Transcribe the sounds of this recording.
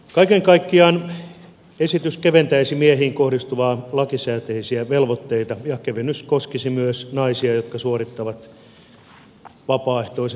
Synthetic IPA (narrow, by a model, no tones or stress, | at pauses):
kɑikeŋkɑikːiɑːn | esit̪yskeʋent̪æisimiehiːŋkohdist̪uʋɑːlɑkisæːt̪eisiæʋelʋot̪ːeit̪ɑjɑkeʋenyskoskisimyøsnɑisiɑjot̪kɑsuorit̪ːɑʋɑt̪ | ʋɑpɑːeht̪ois